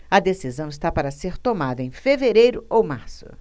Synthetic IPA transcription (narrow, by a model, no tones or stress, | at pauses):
ɐd̪esizɐ̃w̃ɪst̪apaɾɐseɾt̪omad̪ɐẽfeveɾejɾʊowmaɾsʊ̰